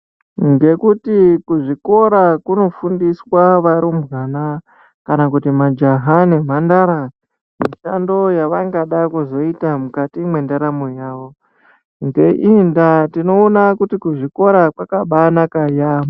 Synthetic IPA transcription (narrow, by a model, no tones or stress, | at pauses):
ŋɡe̞kutikuʐiko̞ɾakuno̞fundiswaʋaɾumbwana | kanakutimad͡ʒaɦane̞mandaɾa | miʃando̞jaʋaŋɡaɗakuzo̞itamukatimwe̞ndaɾamojaːʋo̞ | ŋɡe̞ʔindatino̞ːnakutikuʐiko̞ɾakwakaɓanakajama